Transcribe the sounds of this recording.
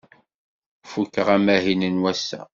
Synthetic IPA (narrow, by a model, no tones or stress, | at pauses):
fukːəʁæmæɦinənwæsːæ̰